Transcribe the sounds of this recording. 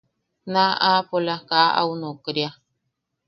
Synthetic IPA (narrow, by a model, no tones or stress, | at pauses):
nãʔapolakaʔa̰unokɾja